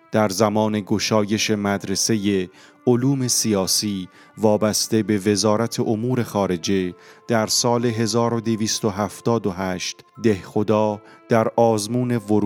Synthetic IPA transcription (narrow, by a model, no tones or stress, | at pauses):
d̪̥æɾzæmɒːne̞ɡo̞ʃɒːje̞ʃe̞mæd̪ɾe̞se̞je̞ | oluːme̞sijɒːsiː | vɒːbæst̪e̞be̞ve̞zɒːɾæt̪ʰe̞ʔomuːɾe̞xɒːɾe̞d͡ʒe̞d̪̥æɾsɒːleɦe̞zɒːɾo̞d̪eviːst̪o̞ɦæft̪ɒːd̪oɦæːʃt̪d̪e̞hxo̞d̪ɒː | d̪̥æɾʔɒːzmuːne̞voɾ